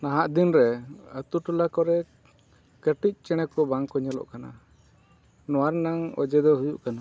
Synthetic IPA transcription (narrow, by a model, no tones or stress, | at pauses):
naɦaʔd̪inɾɛət̪uʈulakɔɾɛ | kəʈic̚ˀt͡ʃɛɽ̃ɛkɔbaŋkɔɲalɔ̰ʔkana̰ | nɔwaɾnaŋɔ̰d͡ʒɛd̪ɔɦujuʔkana